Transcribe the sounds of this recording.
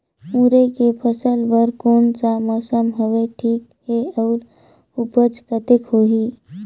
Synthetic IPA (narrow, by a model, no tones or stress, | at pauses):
ũɾekepʰəsəlbəɾkoːnsamɔːsəmɦəʋeʈʰiːkheəːɾ | ʊpəd͡ʒkət̪ekɦoːɦi